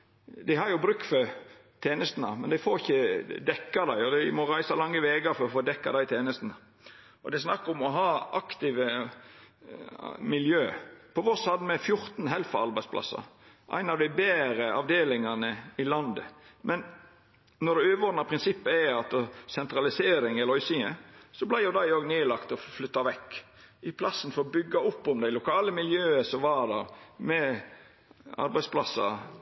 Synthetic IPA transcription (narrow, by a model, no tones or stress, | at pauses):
d̪æɪhɑɾjʊbɾʉk̚t̪fɔ | t̪ʰeːnəst̪nɑ̰mɛnd̪æɪfoːɾɪçːəd̪ɛkːɑd̪æɪɔd̪æɪmɔɾæɪsɑlɑŋːəʋeːɡɑɾfɔɾɔfoːd̪ɛkːɑ̰d̪æɪt̪ʰeːnəst̪ən̩ə | ʔɔd̪ɛɪsnɑkːəɾʊmɔɦɑːɑkt̪ɪʋə | mɪljøːpʰɔʋɔshɑd̪mɛfjʊɾt̪n̩ɦɛlfɑɑɾbæɪspʰlʔɑ̰sːɑ̰ | ʔæ̰ɪnɑʋd̪æɪbeːɾəʔɑ̰ʋd̪eːlɪŋɑnəɪlɑnd̪ə̰mɛn | nɔd̪ɛøːʋɔd̪nɑpʰɾɪnsɪpːəæɑt̪sɛnt̪ɾɑlɪseːɾɪŋɛlɔʏsɪŋəsɔblæɪjʊd̪æɪoːɡneːlɑkt̪ɔflʏt̪ːɑʋɛkː | ʔɪpʰlɑsːənfɔɾɔbʏɡːɑʊpːɔmd̪æɪlʊkʰɑːləmɪljøːəsɔmʋɑd̪ɑɾmɛ | ɑ̰ɾbæɪspʰlɑsːɑ̰